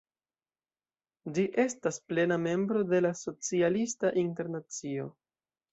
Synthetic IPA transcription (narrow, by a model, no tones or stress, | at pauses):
d͡ʒiʔe̞stasple̞name̞mbɾo̞de̞laso̞t͡sialistaʔinte̞ɾnat͡sio̞